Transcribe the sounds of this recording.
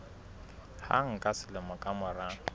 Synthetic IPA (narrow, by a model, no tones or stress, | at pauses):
ha̰ŋ̩kʼasɪlɪmʊkʼamʊra